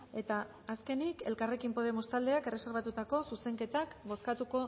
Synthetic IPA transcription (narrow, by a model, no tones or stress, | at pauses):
e̞t̪aː | ske̞nike̞lkare̞kimpo̞ðe̞most̪ald̪e̞akere̞seɾβat̪ut̪ako̞suse̞ŋke̞t̪akbo̞skat̪uko̞